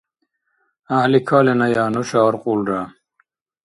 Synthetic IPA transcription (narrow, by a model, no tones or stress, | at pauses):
ahlikʰaːlenajaːnuɕaːɾquːlɖaː